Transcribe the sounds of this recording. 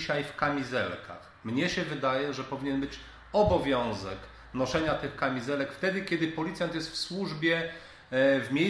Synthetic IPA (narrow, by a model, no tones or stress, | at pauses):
ɕajfkamʲizɛ̰lkʰa̰x | mɲɛɕɛvɘd̪ajɛʐɛpɔvʲiɲɛnbɘt͡ɕ | ɔbɔvʲjɔ̃w̃zɛk | nɔʂɛɲat̪ɘxkamʲizɛlɛkft̪ɛd̪ɘkʲɛd̪ɘpɔlʲit̪sjant̪̬jɛst̪fswuʐbʲjɛ | vmʲjej